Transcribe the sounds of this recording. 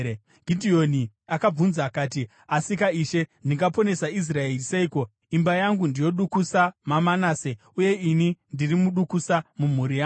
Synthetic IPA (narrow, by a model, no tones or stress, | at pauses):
ɡʱidʱio̞ni | akab͡vunzakaːti | asikaiːʃe̞ndiŋɡapo̞ne̞sais̬raeriseiːko̞ | imbajaŋɡundijo̞ɗukusamamanaːse | uje̞inindirimuɗukusamum̤uɾijaː